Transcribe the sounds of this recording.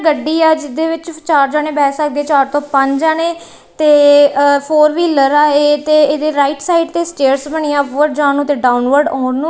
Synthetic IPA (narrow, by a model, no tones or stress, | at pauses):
ɡəɖːiːɛːd͡ʒɪd̪eːʋɪt͡ʃt͡ʃaːɾd͡ʒãːneːbɛːsəkd̪eːt͡ʃaːɾt̪õːpəɲd͡ʒaːneː | t̪eːpʰoːɾʋiːləɾaːeːt̪eːeːd̪eːɾaːɪʈsaːɪɖt̪eːsʈeːɾsbəɳijãːʋəɾd͡ʒaːnũːt̪eːɖaːʊnʋəɾɖɔːɳnũː